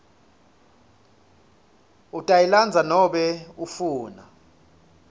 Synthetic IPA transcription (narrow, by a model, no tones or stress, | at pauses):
utʼajiland͡zʱanɔɓɛufuːna